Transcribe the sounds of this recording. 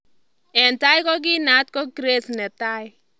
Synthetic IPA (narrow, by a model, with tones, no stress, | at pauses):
ɛ˨nta˦jkɔ˦k̬i˦na˨˦t̚kɔ˦ki˦ɾe˦snɛ˨ta˦j